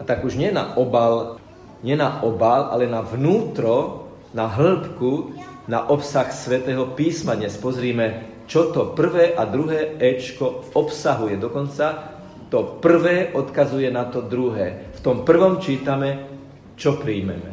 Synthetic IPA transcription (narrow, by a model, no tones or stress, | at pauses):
at̪aɡuʒɲɪɛna̰ʔɔbal | ɲɪɛnaʔɔbalʔa̰lɛnaʋnuːt̪ɾɔ | naɦl̩pkuna̰ʔɔpsaxsʋɛt̪ɛːɦɔpiːsmad̪ɲɛspɔzɾiːmɛ | t͡ʃɔt̪ɔpr̩ʋɛːʔad̪ɾuɦɛːɛt͡ʃkɔɔpsaɦujɛd̪ɔkɔnt͡sa | t̪ɔpr̩ʋɛːʔɔt̪kazujɛnat̪ɔd̪ɾuɦɛːft̪ɔmpr̩ʋɔmt͡ʃiːt̪amɛ | t͡ʃɔpɾiːmɛ̰mɛ̰